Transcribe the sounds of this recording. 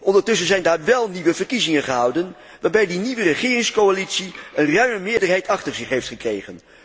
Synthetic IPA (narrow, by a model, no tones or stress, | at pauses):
ʔɔndəɹtɵs̬ənzɛjndaːɹʋɛlˠniʋəvəɹkizɪŋənχəɦɑwdən | ʋaːɹbɛjdiniʋərəχɪːrɪŋskowalitsiənrœɥməmɪːɹdəɹɦɛjtɑχtəɹzɪχɦejftχəkrejχə̰n